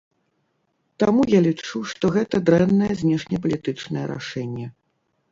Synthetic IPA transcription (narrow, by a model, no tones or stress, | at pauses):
t̪amujalʲit͡ʂuʂt̪ɔɣɛt̪ɐd̪ɾɛnːɐjɐzʲnʲɛʂnʲɛpɐlʲit̪ɨt͡ʂnɨjɛɾa̰ʂɛnʲːɛ